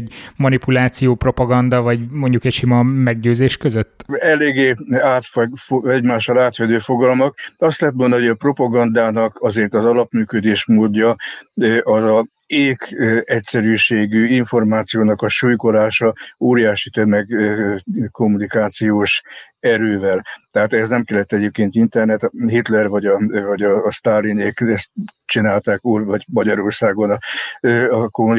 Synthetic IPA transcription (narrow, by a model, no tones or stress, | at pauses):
ɟmɒnipulaːt̪sijoːpro̞pɒɡɒnd̪ɒvɒɟmo̞ɲɟukɛcʃimɒmɛɡɟøːzeːʃkøzøt̪ːɛleːɡeːaːt̪ffɛɟmaːʃɒlaːt̪ʋɛd̪øːfo̞ɡɒlmɒkɒst̪lɛɦɛt̪mond̪ɒɦoɟɒpro̞pɒɡɒnd̪aːnɒkɒzeːrt̪ɒzɒlɒpmyːkød̪eːʃmoːd̪ːɒ | ʔɒzɒ | eːkɛcsɛɾyːʃeːɡyiɱfo̞rmaːt̪sijoːnɒkɒʃuːjko̞laːʃɒoːɾijaːʃit̪ø̞mɛɡ | ko̞mːunikaːt̪sijoːʃɛɾøːvɛlt̪ɛɦaːt̪ɛznɛmkɛlːɛt̪ːɛɟeːp̚keːnt̪int̪ɛrnɛt̪ɦit̪lɛrvɒɟɒvɒɟɒːst̪aːlineːkɛst̪t͡ʃinaːlt̪aːkuːrvɒɟmɒɟɒɾo̞rsaːɡonɒ | ɒkomu